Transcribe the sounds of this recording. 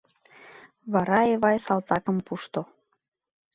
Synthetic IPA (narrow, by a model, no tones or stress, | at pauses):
βɑɾɑeβɑjsɑlt̪ɑkəmpuʃt̪o